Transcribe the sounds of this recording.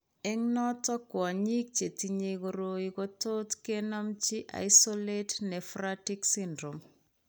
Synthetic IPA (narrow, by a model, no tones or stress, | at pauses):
ɛŋnɔtɔkwɔɲik̚t͡ʃetiɲekoɾoikototkenɔmt͡ʃiʔa̰isoletnɛfɾatiksindɾom